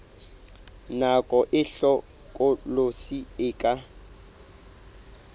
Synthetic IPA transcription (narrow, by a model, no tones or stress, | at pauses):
nakʼɔʔɪɬɔ | kʼʊlosiɪːkʼa